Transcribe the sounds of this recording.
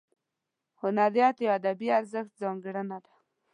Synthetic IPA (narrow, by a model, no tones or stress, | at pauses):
hʊnaɾjat̪jad̪abiaɾzəxt̪̚zɑŋɡɽənad̪ḁ